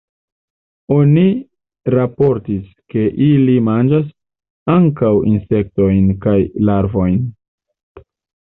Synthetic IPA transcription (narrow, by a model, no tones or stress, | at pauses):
o̞ni | ɾapo̞ɾtis | ke̞ʔilimand͡ʒas | aŋkawḭnse̞k̚to̞jnkajlaɾvo̞jn